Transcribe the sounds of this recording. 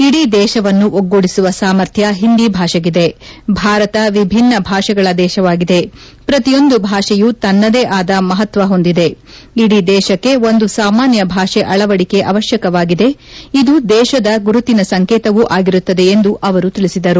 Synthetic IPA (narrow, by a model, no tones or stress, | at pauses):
iɽid̪ɛːʃɐʋɐnːuʔoɡːoɽisuʋɐsaːmɐɾt̪ʰjɐɦind̪ibʱaːʃɐɡid̪e̞bʱaːɾɐt̪ɐʋibʱinːɐbʱaːʃɐɡɐɭɐd̪ɛːʃɐʋaːɡid̪e̞ | pɾɐt̪ijo̞nd̪ubʱaːʂɛjut̪ɐnːɐd̪eːʔaːd̪ɐmɐɦɐt̪ʋɐɦo̞nd̪id̪e̞ | iɽid̪ɛːʃɐkːe̞o̞nd̪usaːmaːnjɐbʱaːʃeʔɐɭɐʋɐɽike̞ʔɐʋɐʃjɐkɐʋaːɡid̪e̞id̪ud̪ɛːʃɐd̪ɐɡuɾut̪inɐsɐŋkɛːt̪ɐʋuʔaːɡiɾut̪ːɐd̪e̞ːnd̪uʔɐʋɐɾut̪iɭisid̪ɐɾu